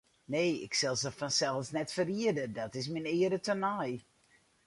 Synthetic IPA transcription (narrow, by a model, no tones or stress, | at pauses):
neːɪ̰ksɛlˠsəfɔnsɛlˠfsnɛtfəriədədɔtɪsminɪədətənaj